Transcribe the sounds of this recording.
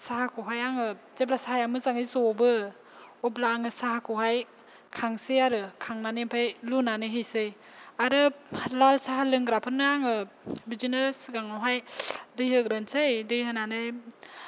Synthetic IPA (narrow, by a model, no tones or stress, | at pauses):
saɦakʰuɦajaŋɯ | z̥eblasaɦajamɯzaŋɯjzɔbɯ | ɔblaːŋɯsaɦakʰuɦaj | kʰaŋsɯjaɾɯkʰaŋnanempʰajlunanɯɦɯjsɯj | aɾɯlalsaɦalɯŋɡɾapʰɯnɯaŋɯ | bid͡ʒinɯɾsɯɡaŋɔɦajdɯjhɯɡɾɯnsɯjdɯjɦɯnanɯj